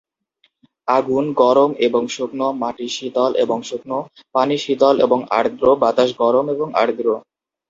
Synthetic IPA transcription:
aɡunɡɔɾomeboŋʃoknomaʈiʃid̪ɔlʔḛboŋʃok̚no | paniʃid̪ɔlḛboŋa̰ɽɡ̪ɾobat̪aʃɡɔɾomeboŋa̰ɽd̪ɾo

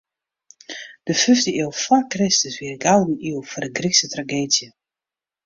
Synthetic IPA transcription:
d̥əfʏftəiəlˠfɔrkrɪstəsʋiəɡalˠdəniəlˠfɔrdəɡriksətraɡeːdjə

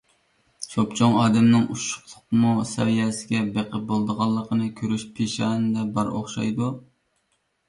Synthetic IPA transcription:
ʃopt͡ʃʰoŋɑːd̪ɛmnɨŋuʃʊ̥χlˠʊqmusɛ̰vijɛsɪɡʲɛbeqʰəbolˠd̪əʁɑlˠːəqənɨkʲʰøɾyʃpʰeʃɑːnɨd̪ɛbæɾoχʃɑjd̪u

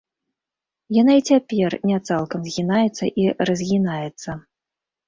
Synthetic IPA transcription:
janait͡sʲapʲɛrnʲat̪salˠkɐmzʲɣʲinajɛt̪sːɐ̰ʔirɐzʲɣʲinajɛt̪sːɐ

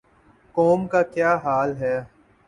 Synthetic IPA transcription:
kɔːmkakjaːɦaːlɦɛː

